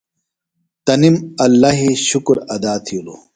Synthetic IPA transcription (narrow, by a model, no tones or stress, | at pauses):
t̪ɐnimɐlːaɦiɕukɾɐd̪aːt̪ʰijulu